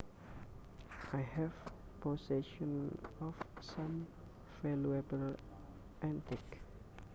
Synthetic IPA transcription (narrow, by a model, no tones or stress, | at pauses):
ajhɛv | pʰosɛʃɔ̃nɔfsãm | fɛluabəl | ʔɛ̃ntɪk